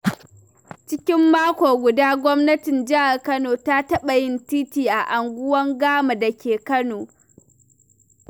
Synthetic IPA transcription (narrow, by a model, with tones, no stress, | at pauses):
t͡ʃɪ˦kʲɪ˦mːaː˦kʷoː˨ɡʷʊ˨daː˦ɡʷɔ˦mnɐ˦tɪ˨nd͡ʒɪ˦ha˨rkɐ˦noː˨ta˦tɐ˦ɓa˨jɪ˦ntiː˦tiː˨ʔa˨ʔa˨ŋɡʷʊ˦wɐ˦ŋɡaː˦ma˨da˨kʲʰeː˨kɐ˦noː˨